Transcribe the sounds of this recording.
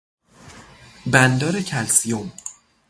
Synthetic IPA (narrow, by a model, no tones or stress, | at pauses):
bænd̪ɒːɾecʰælsijom